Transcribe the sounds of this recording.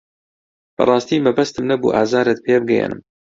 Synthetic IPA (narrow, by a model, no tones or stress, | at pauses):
b̥ɐ̰rˤɑːst̪iːmɐbɐst̪ɨmnɐbṵːʔaːzaːɾɨt̪̚pʰeːbɨɡɛjḛnɨ̰m